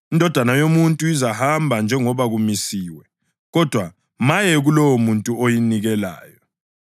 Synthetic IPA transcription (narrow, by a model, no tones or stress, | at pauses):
indʱɔd̥ʱwanajomuntʼuizahambʱand͡ʒʱɛŋɔβaɣumisiːwɛ | ɣɔd̥ʱwa | majɛɣulɔwomuntʼuojiniɣɛla̰ːjɔ